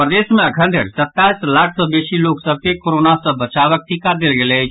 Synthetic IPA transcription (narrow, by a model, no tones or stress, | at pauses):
pɾəd̪esmeəkʰə̃nd̪ʱeɾsət̪ːaislakʰsə̃besiloksəb̚ʱkekoɾonasə̃bət͡ʃabək̚ʈikad̪elɡelɛt͡ʃʰ